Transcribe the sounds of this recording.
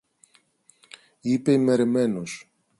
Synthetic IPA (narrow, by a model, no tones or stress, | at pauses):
ipe̞ime̞ɾeme̞nos